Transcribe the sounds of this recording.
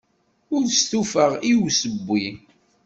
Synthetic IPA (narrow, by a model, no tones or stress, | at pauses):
ʊɾst̪ufəʁiwsəbːi